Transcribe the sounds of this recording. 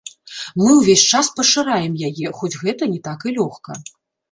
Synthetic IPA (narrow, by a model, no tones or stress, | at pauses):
mɨwvʲesʲt͡ʂaspɐʂɨɾajɛmjajɛxɔd͡zʲɣɛt̪ɐnʲɛt̪akɨlʲɔxkɐ̰